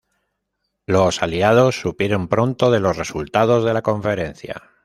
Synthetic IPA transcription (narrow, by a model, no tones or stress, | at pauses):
lo̞saliað̞o̞sːupje̞ɾempɾo̞nt̪o̞ð̞e̞lo̞sre̞sult̪að̞o̞zð̞e̞lako̞ɱfe̞ɾẽ̞n̟θja̰